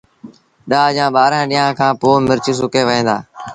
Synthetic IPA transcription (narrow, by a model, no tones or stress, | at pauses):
ɗaːd͡ʒãːɓaːɾãːɗiːãːkʰãːpoːmɪɾt͡ʃɪs̬ʊkeːʋəẽːd̪a̰ː